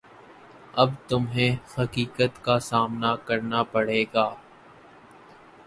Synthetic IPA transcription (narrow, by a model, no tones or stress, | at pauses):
ɐbt̪ʊmɦẽːxɐkiːkət̪kasaːmnakɐɾnapɐɽ̤eːɡaː